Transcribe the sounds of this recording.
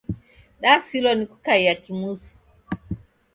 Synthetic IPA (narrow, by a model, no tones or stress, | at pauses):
ɗasilɔniku̥kaijakimusu̥